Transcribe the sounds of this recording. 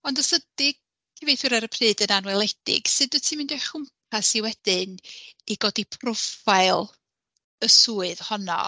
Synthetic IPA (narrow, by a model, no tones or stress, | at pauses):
ɔndɔsədɪɡ̥̚ | tʰivejθʊɾaɾəpʰrɨːdənanwɛlˠɛd̥ɪ̰ɡ̥sɨdɨtʰiːmɨndɔjχʊmpʰasiwɛd̥ɪniɡɔdipʰrɔfajlˠ | əsuːɨðhɔnɔ̰